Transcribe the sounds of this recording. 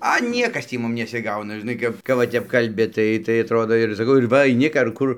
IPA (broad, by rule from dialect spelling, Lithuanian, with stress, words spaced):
ɐ ˈnʲiɛkɐs ˈtʲiː ˈmʊm nʲɛsʲɪˈɡɐʊnɐ ʒʲɪˈnɐɪ kɐp kɐp ʋɐ ˈtʲɛp kɐlʲˈbʲɪ ˈtɐɪ tɐɪ ɐtˈroːdoː ɪr sɐˈkɐʊ ɪr ˈʋɐ ɐɪˈnʲɪ k ɐr ˈkʊr